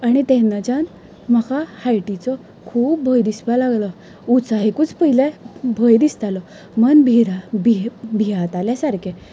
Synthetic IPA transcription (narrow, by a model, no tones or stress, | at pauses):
aɽ̃it̪ɛ̃nːat͡ɕan | m̤akahajʈit͡sɔ | kʰuːp̚bʱəjd̪ispalaɡlɔ | ut͡saɦekut͡spəɦilebʱəjd̪ist̪alɔ | mənbʱiɾabibʱiat̪aljasaɾkʰe